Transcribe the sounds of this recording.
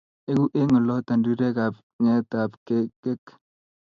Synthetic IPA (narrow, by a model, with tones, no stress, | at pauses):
e˦ku˦ʔe˦ŋɔ˨lɔ˦t̪a˨ndi˦ɾe˦ka˨p | ŋɛ˦t̪a˨pke˦kːe˦k